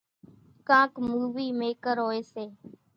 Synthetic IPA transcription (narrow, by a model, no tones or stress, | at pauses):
kãːkmuːʋiːmeːkəɾɦoːeːseː